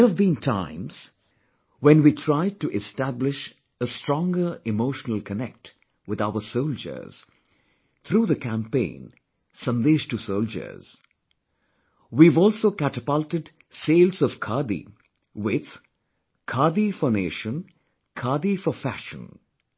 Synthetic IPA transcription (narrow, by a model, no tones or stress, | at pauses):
əvbĩntʰãɪ̃mz̥ | wɛ̃nwitʰɹ̥aɪd̚tɨʔɪstæblɪʃ | əstɹ̥ɔ̃ŋɡə˞ɪmoʊʃənəlˠkʰənɛk̚t | wɨðaʊə˞soʊld͡ʒə̰˞z̥ | t̪ʰɾuːðəkʰæ̃mpḛ̃ɪ̃n | sʌ̃nd̪eʃtusoʊld͡ʒə̰˞z̥ | wivɔlˠsoʊkætəpaltɨd | seɪlˠzɔv̥kʰɑd̪ḭ | wɪð̥ | kʰɑːd̪ifɔneɪʃə̃n | kʰɑːdifəfæʃə̰̃n